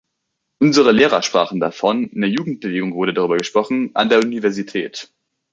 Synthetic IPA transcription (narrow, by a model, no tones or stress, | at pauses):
ʔʊnzəʁəleːʁɐʃpʁ̥aːχn̩dafɔnnəjuːɡŋ̩t̚b̥əveːɡʊŋv̥ʊɐɾədaʁ̞yːbɐɡəʃpʁ̥ɔχn̩ʔa̰ndeːɐunivɛɐzitʰɛːt